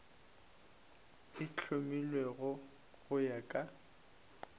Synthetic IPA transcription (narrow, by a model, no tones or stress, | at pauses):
ɪt͡ɬʰʊmilweɣʊ | ɣʊjakʼa